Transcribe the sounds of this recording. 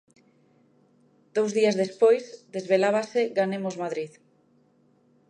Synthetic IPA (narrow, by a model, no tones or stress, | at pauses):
d̪̥owzðiazðespojzd̪ezβelaβ̞aseɡanemozmaðɾið